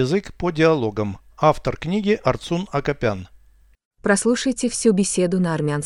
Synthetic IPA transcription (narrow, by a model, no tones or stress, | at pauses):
ɪzɨkpədʲɪɐlˠoɡəm | aft̪ərknʲiɡʲɪʔɐrt̪sunɐkɐpʲan | pɾɐslˠuʂəjtʲɪfsʲubʲɪsʲed̪ʊnəɐrmʲɪans